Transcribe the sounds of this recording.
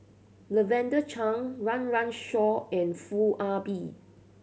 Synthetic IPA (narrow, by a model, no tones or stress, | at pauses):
ləvɛ̃ndət͡ʃʰãŋɹãnɹãnʃɔɛ̃nfulʔabi